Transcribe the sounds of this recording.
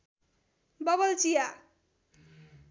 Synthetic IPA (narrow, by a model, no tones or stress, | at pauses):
bʌbʌlt͡sija